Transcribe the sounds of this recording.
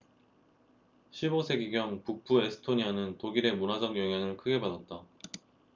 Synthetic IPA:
ɕʰibosʰe̞ɡiɡjʌŋpuk̚p͈ʰue̞sʰɯ̥tʰoɲianɯntoɡiɾe̞munad͡ʑʌŋjʌŋɦjaŋɯɭkʰɯɡe̞padat̚t͈a

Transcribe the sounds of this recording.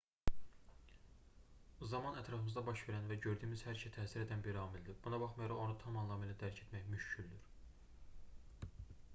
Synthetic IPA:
zɑmɑnæt̪ʰɾɑfɯmɯzd̪ɑbɑʃve̞ɾænvæɟø̞ɾd̪yːmizhæɾʃʰæt̪ʰæːsiɾed̪ænbiɾɑmild̪ib̥unɑbɑχmɑjoɾɑʁo̞nut̪ʰɑmɑnlˠɑmelæd̪æɾcʰe̞t̪ʰmæçmyʃcʰyld̪yɾ

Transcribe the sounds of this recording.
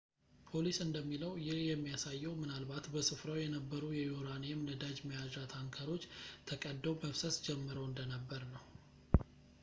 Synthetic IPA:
pʰo̞lisɨnd̪əmːiləwjɪhjɛmːijasajːɛwmɨnalbat̪bəsɨfɾawjɛnəbːəɾujɛjuɾanemnəd̪ad͡ʒməjazɾat̪ʰaŋkʰəɾo̞t͡ʃːt̪ʰəkʼəd̪ːəwbəfsəsd͡ʒɛmːɨɾəwɨnd̪ənəbːəɾnəw

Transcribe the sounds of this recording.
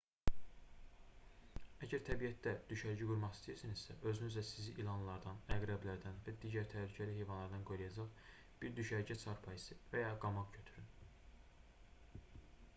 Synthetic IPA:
æɟæɾt̪ʰæbijæt̪̚d̪æd̪̥yʃæɾɟiɡuɾmɑχist̪ijiɾsiniz̥sæʔø̞zynyzlæsiziʔilˠɑnlˠɑɾd̪ɑnæɡɾæblæɾd̪ænvæd̪iːɟæɾt̪ʰælycʰælihejvɑnlˠɑɾd̪ɑnɡo̞jlˠɑjɑd͡ʒɑχ | b̥iɾd̪yʃæɾɟæt͡ʃʰɑɾpʰɑjisɯvæjɑɡɑmɑʁcʰø̞t̪ʰyɾyn

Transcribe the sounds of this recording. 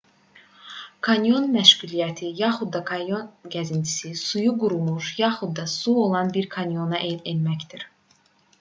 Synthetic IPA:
kʰɑnʲjo̞nmæʃɡulijæt̪ʰijɑxud̪ːɑkʰɑjonɡæzint̪ʰi̥sisujuɡuɾumuʃjɑxud̪d̪ɑsuo̞lˠɑnbiɾkʰɑnʲjo̞nɑʔelelmæcd̪iɾ̥

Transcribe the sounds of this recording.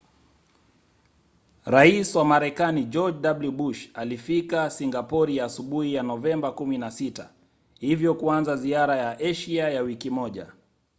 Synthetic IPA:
ɾaiswamaɾɛkanid͡ʒɔd͡ʒdabljuɓuʃalifikasiŋɡapɔɾijaːsuɓuhijanɔvɛmbakuminasita | hivjɔkuanzaziaɾajaʔɛʃiajawikimɔʄa̰

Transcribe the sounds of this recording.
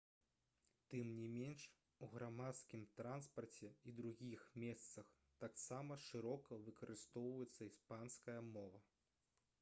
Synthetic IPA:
t̪ɨmnʲimʲɛnʂ | uɣɾamat̪skʲimt̪ɾanspɐrt͡sʲɛid̪ɾuɣʲixmʲɛst̪sɐx | t̪aksamɐʂɨɾɔkɐvɨkɐɾʔɨst̪ɔwvɐjɛt̪sːɐispanskɐjɐmɔvɐ

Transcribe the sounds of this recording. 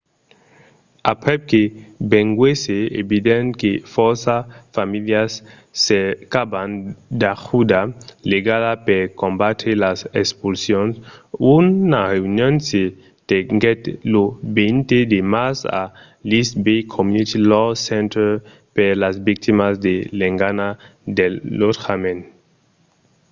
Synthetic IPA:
apɾɛp̚kebeŋɡweseḛbid̪enkefɔɾsafamiljasː | ekaband̪axud̪aleɡaðapeɾkõmbat̪elasekspulsjõnsunareunjonse | t̪eŋɡet̪lobent̪ed̪emasa̰ | lisbejkʰomjunit̪ilɔsẽnt̪eɾ | peɾlazbik̚t̪imazd̪eleŋɡanad̪elːotxamen

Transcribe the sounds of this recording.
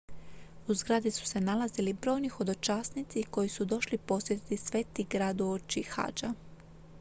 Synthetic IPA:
uzɡɾad̪isu̥se̞nalazilibɾo̞ːjnixo̞d̪o̞t͡ʃaːsnit̪siko̞jisud̪o̞ʃlipo̞sjet̪it̪isʋe̞ːt̪iɡɾaːd̪uot͡ʃixa̰ːd͡ʒa

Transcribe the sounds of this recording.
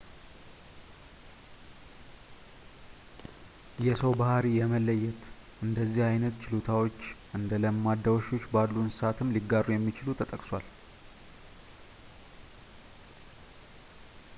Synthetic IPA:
jɛsəwbahaɾijɛməlːəjːɛt̪ | ʔɨnd̪əzːihajnət̪t͡ʃɪlot̪ʰawo̞t͡ʃːʔɨnd̪ələmːad̪ːəwoʃo̞t͡ʃːbalːunsɨ̥sat̪ʰɨmːliɡːaɾujɛmːit͡ʃɪlut̪ʰət̪ʼəkʼswʷal

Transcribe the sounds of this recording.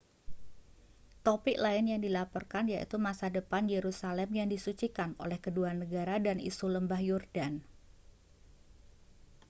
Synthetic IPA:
t̪opɪʔlaɪnjaŋdilapɔrkanjaʔḭt̪umasadəpanjeɾusalɛmjaŋdisut͡ʃikano̰lɛhkəduanəɡaɾadanḭsuləmbahjɔrdan

